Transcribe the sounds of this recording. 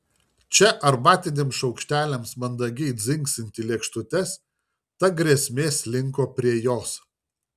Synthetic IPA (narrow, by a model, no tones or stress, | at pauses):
t͡ʃʲɛʔɐɾbɑːt̪ʲɪnʲeːmsʃɒʊkʃʲt̪ʲæːlʲɛmsmɐnd̪ɐɡʲɪɪd̪zʲɪŋksɪnʲt̪ʲɪlʲiɛkʃt̪ʊt̪ʲɛs | t̪ɐɡɾʲiɛsʲmʲeːslʲɪŋkoːpʲɾʲiɛjoːs